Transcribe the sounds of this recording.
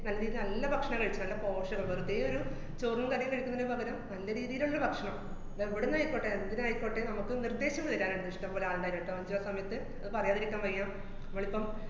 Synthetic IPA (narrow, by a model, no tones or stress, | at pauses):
nɐlːɐɾiːðinɐlːɐbʱɐkʂɐɳɐmŋkɐɻit͡ɕːɨnɐlːɐpo̞ːʂɐɣɐbɐrud̪eːjoɾu | t͡ɕoːrnɐmkaɽijɐkɐɻikʲːunːinːɨbʱɐɣɐɾɐmnɐlːɐɾiːðijɐluɭːɐːɐbʱɐkʂɐɳɐm | eʋiɽenaːjikʲːoːʈːeend̪innaːjikʲːoːʈːenɐmukːɨnird̪e̞ːɕjɐmʋiðiɾaːneɽɖ̪iʂʈɐmboːleaːðenɖaːiɾeʈːɨmɐɲd͡ʑɨʋɐsɐmɐjɐt̪ːɨ | ɐðɨpɐrɐjaːðiɾikʲːaːmʋɐrijaːm | nɐmːoːɭipːɐm